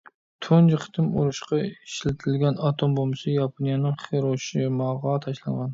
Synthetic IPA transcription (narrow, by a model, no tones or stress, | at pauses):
t̪ʰond͡ʒɪqʰt̪ʰɪmo̰ɾʊʃqɑɪʃlat̪ʰɪlɡʲanɑt̪ʰombomɪsɪjɑpʰonijanɪŋχeɾoʃɪmɑʁɑt̪ʰaʃlanʁɑn